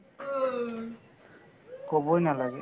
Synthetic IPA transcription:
kɔbɔjnalaɡɛ

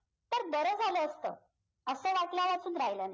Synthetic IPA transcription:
t̪əɾd̪əɾəːd͡zʱaləːst̪ə̰ː | əsəːʋaʈljaʋat͡suːnɾaɦjləna

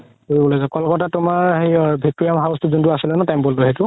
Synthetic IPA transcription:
koɹibɔlojzɔkɔlkɔtatʊmaɹɦejbʱik̚toɹiamɦaʊstʊzuntuasilɛnɔtambɔlːoɦetʊ

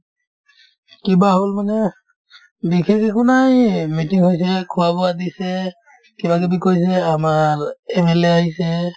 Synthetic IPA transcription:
kibaɦolmanɛ | bikʰɛkɛkʊnajmitiŋhojs̬ɛkʰʊwabɔadisɛ | kibakɛbikojs̬ɛamaɹɛmɛleaɦisɛ

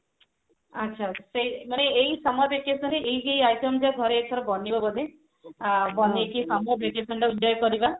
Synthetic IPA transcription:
atːʃʰaseimaneejsamɔbʱekesɔɳʈeʔejkejajsɔmd͡ʒaɡʱɔɾeːtʰɔɾɔbɔnibɔbɔd̪e | bɔnekisamɔbʱekesɔɳʈaudjɔjkɔɾiba

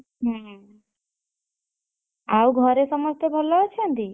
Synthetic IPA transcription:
ɦə̃ | auɡʱɔɾesʌməst̪ebʱɔlɔt͡ʃʰend̪i

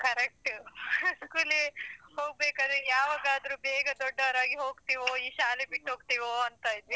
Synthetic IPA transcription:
kɐɾek̚ʈ | skuːlehoːɡ̚beːkaːd̪ɾejaːʋaːɡaːd̪ɐɾuːbeːɡɐd̪ɔɖːɐʋɐɾaːɡiɦo̞ːɡt̪iʋoːiːʃaːlebiʈɦoːɡ̚t̪iʋoɐnt̪aːjd̪ʋi

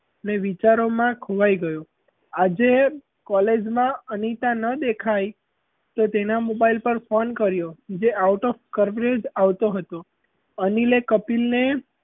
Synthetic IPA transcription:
əneʋit͡ʃaɾomãkʰoʋajɡəjo | ad͡ʒe | kɔled͡ʒmãənit̪ãnəd̪ekʰaj | t̪ot̪enamobailpəɾfonkəɾjod͡ʒeʔauʈɔfkəɾʋɾed͡ʒaʋt̪oɦət̪o | ənilekəpilne

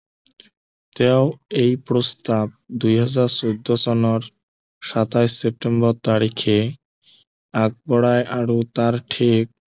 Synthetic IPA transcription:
t̪ɛoejpɾost̪ab̚d̪ujɦad͡ʑaɾsod̪ʱːosɔnoɾ | ʃat̪ajsep̚ʈembɔɾt̪aɾikʰe | aɡ̚bɔɽaeʔaɾot̪aɾʈʰek̚

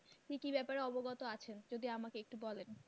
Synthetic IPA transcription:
kikibɛpaɾeɔboɡɔt̪oat͡ɕʰend͡ʑod̪iamakeek̚ʈubɔlen

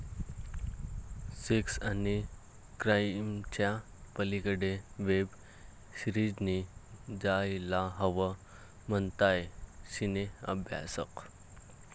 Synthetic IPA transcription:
seksani | kɾajmt͡ɕja | pəlikəɽeʋeb | ɕɾid͡ʑnid͡zajlaɦəʋə | mənt̪ajɕineə̰bʱja̰səq

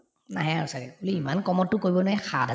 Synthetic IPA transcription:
naɦɛasakɛuliimankɔmɔtːʊkoɹibɔnaɦɛxʰadʱa

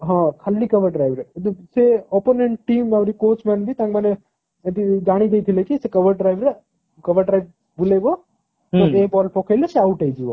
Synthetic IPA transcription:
ɦãkʰəlːikɐʋəɾɖɾajʋɾeseoːponeɳʈʈiːmaʋɾikoːt͡ʃmenbʱit̪ãkmɐne | t̪id͡ʒaːɽ̃id̪eit̪ʰilekisekɐʋəɾɖɾajʋɾe | kɐʋəɾɖɾaiʋ | buleɡo | ɔebɔːlpɔːkʰajlaseauʈaid͡ʒiʋo

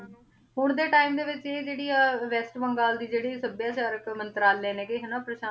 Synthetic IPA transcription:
ɦʊɳd̪eːʈaːimd̪eːʋɪt͡ʃeːd͡ʒeːɽiːaːʋɛːsʈbəŋɡaːld̪iːd͡ʒeːɽiːsəbjaːʃaːɾəkmənt̪əɾaːlːɛ̃ːnẽːkeɦenãːpɾəʃaː

